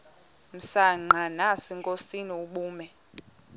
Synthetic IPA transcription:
m̩saŋ͡ǃʱanasiŋkʼosiniuɓuːmɛ

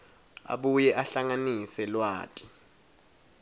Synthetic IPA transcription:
a̰ɓujɛʔaɬaŋanisɛlwa̰ːtʼi̥

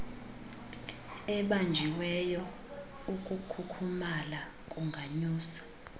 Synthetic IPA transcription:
ɛɓand͡ʒʱiwɛjɔ | ukʼukʰukʰumala | kʼuŋɡʱaɲuːsḁ

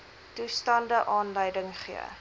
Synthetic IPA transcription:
tustɐndəʔɑːnləjdəŋχiə̰

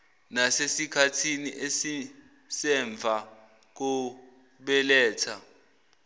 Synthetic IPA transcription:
nasesikʰatʰiniʔesi | sɛɱb̪vʱa | k̬u | ɓɛlɛːtʰa

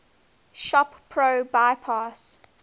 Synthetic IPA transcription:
ʃɔppʰɹoʊbaɪpʰas

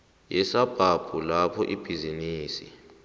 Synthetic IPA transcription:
jɛsab̥ʱab̥ʱulapʰɔʔib̥ʱiziniːsḭ

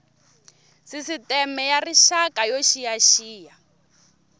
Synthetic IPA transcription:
sisitɛmɛjariʃakajoʃijaʃiːja

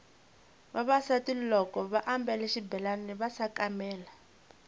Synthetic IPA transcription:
βaβasatilɔkɔβaʔambɛlɛʃibɛlaniβasakamɛːla

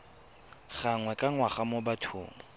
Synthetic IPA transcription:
χaŋwɛkʼaŋwaχamobatʰʊ̰ːmɔ

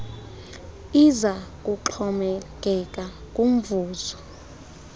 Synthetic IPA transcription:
izakʼuǃʰɔmɛk̬ʼɛkʼa | kʼum̩vuːzɔ

